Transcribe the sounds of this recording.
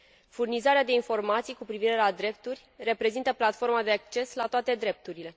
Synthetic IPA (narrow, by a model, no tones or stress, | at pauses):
furnizaɾead̪e̞info̞rmat̪sijkupɾiviɾe̞lad̪ɾe̞p̚t̪urʲre̞pɾe̞zint̪əplat̪fo̞rmad̪e̞ak̚t͡ʃe̞slat̪oat̪e̞d̪ɾe̞p̚t̪uɾile̞